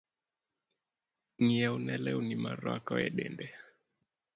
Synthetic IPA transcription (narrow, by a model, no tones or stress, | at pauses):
ŋiaunɛlɛunimaɾakɔɛɗɛndɛ